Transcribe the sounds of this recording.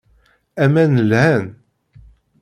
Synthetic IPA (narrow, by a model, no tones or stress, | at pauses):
æmænəlhæn